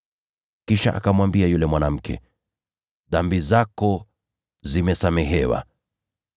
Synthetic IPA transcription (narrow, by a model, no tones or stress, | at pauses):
kiʃa̰ʔa̰kamwambiajulɛmwanam̩kʰɛ̰ | ðambizakɔ | zimɛsamɛɦɛwa̰